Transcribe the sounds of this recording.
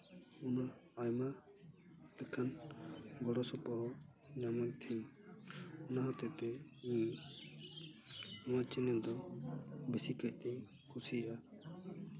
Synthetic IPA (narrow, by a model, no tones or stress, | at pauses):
ɔnaːjma | lɛkʰanɡɔɽɔsɔpɔɦɔ | ɲamɔt̪ʰiɲ | ɔnaɦɔt̪ɛt̪ɛĩ | ɔ̃wat͡ʃinɛld̪ɔ | besikajt̪ɛɲ | kʰusiʔa